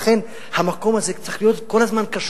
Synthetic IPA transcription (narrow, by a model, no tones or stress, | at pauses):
χen | hamakomazekt͡saχijot̪kolazmankaʃ